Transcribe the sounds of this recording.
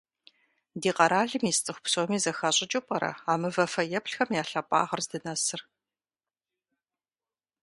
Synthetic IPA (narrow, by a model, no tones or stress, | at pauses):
diːqɐɾaːɮɨmiːst͡sʼɨxʷpsomiːzɐxaɕʼɪt͡ʃʼupʼɐɾɐ̰aːmɨvɐfɐjɛpɬxɐmjaːɬɐpʼa̰ːʁɐrzdɨnɐsɨr